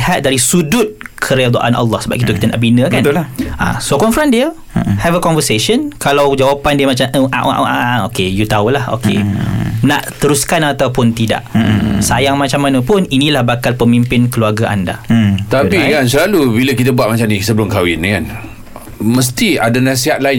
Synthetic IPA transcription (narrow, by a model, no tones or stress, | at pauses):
hat̪̚daɾisudʊt̪̚kʰəɾed̪oʔa̰nʔa̰lːɔhsəba̰p̚kit̪əkit̪əna̰ʔbinə̃kant̪laʔa̰sokɔnfɾandiə | hɛvəkɔnvəseʃənkalawd͡ʒawapandiəmat͡ʃamʔəʔa̰ʔʔaaokejut̪aulaho̰kʰḛna̰ʔt̪əɾuskanat̪awpʊnt̪ida̰ʔsajaŋmãt͡ʃamːanə̃pʊninĩlahbakalpəmimpɪnkəluarɡaʔa̰nda̰t̪aikans̬əlalubiləkit̪̬əbuat̪̚mat͡ʃamnisəbəlʊŋkawɪnkan | mə̃s̬t̪iadanãs̬iɦat̪̚laɪ